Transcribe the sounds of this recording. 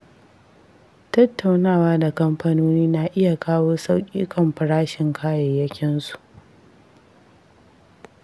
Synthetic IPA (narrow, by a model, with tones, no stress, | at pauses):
tɐ˦tːa˨wnaː˦˨waː˦da˨kɐ˦mɸɐ˦noː˦niː˦na˨ʔɪ˦ja˨kaː˦woː˦sa˦wkʲʼḭː˦kʰɐ˨mɸɪ˨ɽaː˦ʃɪ˨ŋkʰaː˦jɛ˨jɐ˦kʲɪ˦nsu̥˨ʔ